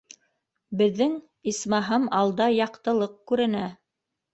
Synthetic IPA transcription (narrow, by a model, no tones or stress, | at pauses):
bɘ̆ðːɘŋ | ismɑɦɤmɑlˠd̪ɑjɑqt̪ɤ̆lˠɤq̚kʉɾɘ̆næ